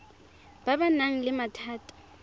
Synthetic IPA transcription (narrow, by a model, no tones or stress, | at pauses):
b̥abanaŋ̩lɪmatʰaːtʰʼɔ̥